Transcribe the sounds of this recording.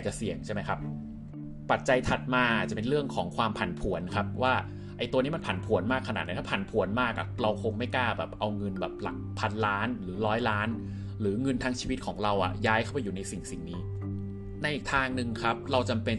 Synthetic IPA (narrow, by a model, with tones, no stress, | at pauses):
t͡ɕa˨˩si˨˩əŋt͡ɕʰa˥˩ma˦˥jkʰa˦˥p̚ | pa˨˩t̪̚t͡ɕa˧jt̪ʰa˨˩t̪̚maː˧ʔa˨˩t͡ɕa˨˩pe˧nɾɯ˥˩əŋkʰɔː˩˦ŋkʰwaː˧mpʰa˨˩˦npʰu˩˦ənkʰa˦˥p̚waː˥˩ | ʔa˧jt̪u˧əniː˦˥ma˧npʰa˨˩˦npʰu˩˦ənmaː˥˩kʰːa˧na̰ː˨˩t̪n˧˦jk̪ʰa˥˩pʰa˨˩˦npʰu˨˩˦ənmaː˥˩k̚ʔa̰˨˩ɾa˧wkʰo˧ŋma˥˩jkaː˥˩bɛː˨˩p̚ʔa˧wŋɤ˧nbɛː˨˩p̚la̰˨˩k̚pʰa˧nlaː˦˥nɾɯː˩˦ɾɔː˦˥jlaː˦˥n | ɾɯː˩˦ŋɤ˧nt̪ʰaː˧˥ŋt͡ɕʰiː˧wi˦t̪̚kʰɔː˩˦ŋɾa˧wʔa̰˨˩jaː˦˥jkʰa˥˩wpa˧juː˨˩na˧jsi˨˩ŋsi˨˩ŋniː˦˥ | na˧ʔiː˨˩k̚t̪ʰaː˧ŋnɯ˨˧ŋkʰa˦˥p̚ɾa˧wt͡ɕa˧mpe˧n